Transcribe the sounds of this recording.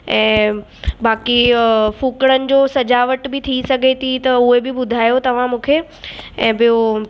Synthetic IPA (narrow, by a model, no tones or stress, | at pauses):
ɛ̃ː | baːkifuːkɽ̃ənɪ̆d͡ʑoːsɐd͡ʑaːʋəʈbɪt̪ʰisɐɡʱet̪ʰit̪ɐʊɦebɪbʊd̪ʱaːjot̪ɐʋ̤ãmũːkʰe | ɛ̃ːbɪjo